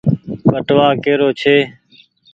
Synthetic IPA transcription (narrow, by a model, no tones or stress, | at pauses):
ɓəʈʋaːkeːɾoːt͡ʃʰeː